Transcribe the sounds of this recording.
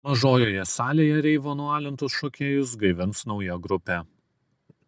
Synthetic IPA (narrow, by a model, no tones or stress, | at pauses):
mɐʒoːjoːjɛsɑːlʲeːjɛɾʲɛɪʋoːnʊɑːlʲɪnt̪ʊsʃoːkʲeːjʊsɡɐɪʋʲɪnˑsnɒʊjɛɡɾʊpʲeː